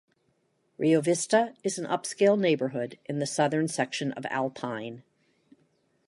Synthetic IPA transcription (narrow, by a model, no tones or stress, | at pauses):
ɹʔioʊvɪstəɨzn̩ʔʌ̰pskeɪlˠⁿneɪbə˞ɦʊɾʔɨ̃nðɨsʌðə̃˞nsɛkʃɨ̃nʌ̰væ̰lˠpʰãɪ̃n